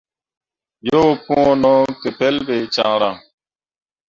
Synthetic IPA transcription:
jo˦pũ˦o˦nɔ˦ke˨pe˦lbe˨t͡ʃa̰˨ŋɾa˨ŋ

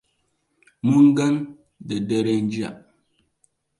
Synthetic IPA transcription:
mu˦ŋ̩˦ɡə˦n | də˨dɛ˦ɾɛ˦n̩˦d͡ʒja̰˦˨ʔ

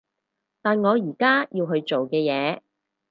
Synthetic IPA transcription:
t̪aː˨nŋɔː˨˧jiː˨˩kaː˥jʔiː˧wɦɵ˧ɥt͡ʃo˨wkɛː˧jɛː˨˧

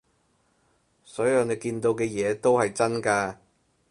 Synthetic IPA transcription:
sɔː˨˥jɐ˨˧wne˨˧jkiː˧nt̪o˧wkɛː˧jɛː˨˧t̪o˥whɐ˨jt͡sɐ˥nkaː˧

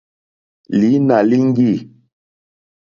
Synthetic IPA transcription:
li˨˦na˨li˦ŋ˦ɡi˦˨

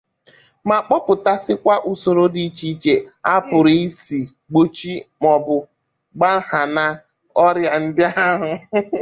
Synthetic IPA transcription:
ma˨k͡pɔ˦pʊ˨ta˦sɪ˦kʷa˦ʔu˨so˨ɾo˦di˦t͡ʃi˦t͡ʃe˦a˦pʊ˨ɾi˦si˨ | ɡ͡bo˦t͡ʃi˦mɔ˨bʊ˨ | ɡ͡ba˦ha˨na˦ | ɔ˦ɾja˨n̩˦dɪ˦a˦ɦʊ˨

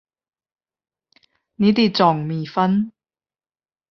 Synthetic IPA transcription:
niː˨˥t̪iː˨˧˩t͡sɔː˨˩ŋmiː˨fɐ˥n

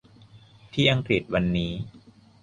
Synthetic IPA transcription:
t̪ʰiː˥˩ʔa˧ŋkɾi˨˩t̪̚wa˧nːiː˦˥

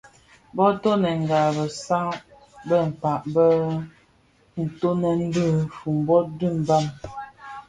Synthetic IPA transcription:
bɔ˦tɔ˦nə˨ŋ˨ɡa˨bə˨sa˦ŋ | bə˦˨m̩˨pa˨ʔbə˦ | n̩˨to˦nə˨n̩˦də˦˨fu˨m˨bɔ˦t̚də˦˨m˨ba˦˨m

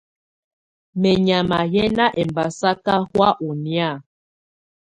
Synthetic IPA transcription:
mɛ˨ɲa˨ma˨jɛ˦na˦ʔɛ˨mba˨sa˦ka˦hwa˦ʔu˨nja˦˨

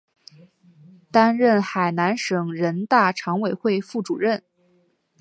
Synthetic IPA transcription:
t̪a˥nɻə˥˩nxa˨˩ɪna˧˥nʂɤ˨˩ŋɻə˧˥nt̪a˥˩ʈ͡ʂʰɑ˧˥ŋwe˨˩ɪxwe˥˧ɪfu˥˩ʈ͡ʂu˨˩ɻə˥˩n

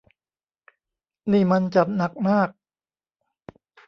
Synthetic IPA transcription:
niː˥˩ma˧nt͡ɕa˨˩p̚na˨˩k̚maː˥˩k̚

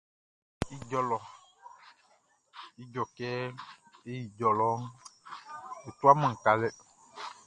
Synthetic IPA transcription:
i˦d͡ʒɔ˨lɔ˨ | i˦d͡ʒɔ˨kɛ˦e˦ji˨d͡ʒɔ˨lɔ˨˦ | u˨t̪u˦a˦mẽ˨ŋ̩˨ka˨lɛ˦

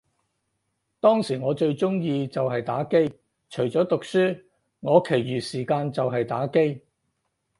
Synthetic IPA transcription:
t̪ɔː˥ŋsiː˨˩ŋɔː˨˧t͡ʃɵ˧ɥt͡sʊ˥ŋjiː˧t͡sɐ˨wɦɐ˨jt̪a̰ː˨˥ke˥j | t͡ʃʰɵ˨˩ɥt͡sɔː˨˥t̪ʊ˨k̚syː˥ | ŋɔː˨˧kʰe˨˩jɥyː˨siː˨˩kaː˧nt͡sɐ˨wɦɐ˨jt̪aː˨˥ke˥j

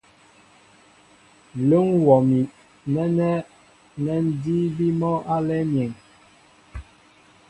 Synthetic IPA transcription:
lo˦ŋwɔ˨mi˨ | nɛ˦nɛ˦ | nɛ˦n̩˦di˦bi˦mɔ˦ʔa˦lɛ˦mjɛ˨ŋ

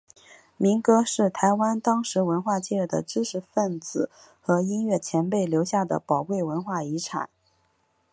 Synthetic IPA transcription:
mi˧˥ŋkɤ˥ʂɻ̩˥˩t̪ʰa˧˥ɪwa˥nt̪ɑ˥ŋʂɻ̩˧˥wə˧˥nxwa˥˧t͡ɕjɛ˥˧˩d̪ə̰˩ʈ͡ʂɻ̩˥ʈ͡ʂʰɻ̩˧˥fə˥˩nt͡sɹ̩˨˩ | xɤ˧˥i˥nɥɛ˥˩t͡ɕʰjɛ˧˥npe˥˩ɪljo˧˥ʊɕja˥˩d̪ə̰˩pɑ˨˩ʊkwe˥˩ɪwə˧˥nxwa˥˩i˧˥ʈ͡ʂʰa̰˨˩˦n

